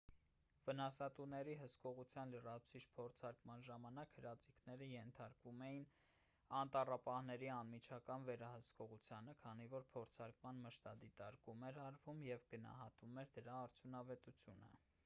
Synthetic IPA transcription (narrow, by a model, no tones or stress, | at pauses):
vənɑsɑt̪unɛɾiɦəskɔʁut͡sʰjɑnlərɑt͡sʰit͡ʃʰpʰɔɾt͡sʰɑɾkmɑnʒɑmɑnɑkhəɾɑt͡sikʰnɛɾəjɛnt̪ʰɑɾkvumɛjin | ɑnt̪ɑrɑpɑhnɛɾiɑnmit͡ʃʰɑkɑnvɛɾɑhəskɔʁut͡sʰjɑnəkʰɑnivɔɾpʰɔɾt͡sʰɑɾkmɑnməʃt̪ɑd̪it̪ɑɾkumɛɾɑɾvumjɛvɡənɑ̰hɑt̪umɛɾd̪əɾɑːɾt͡sʰjunɑvɛt̪ut͡sʰjunə̰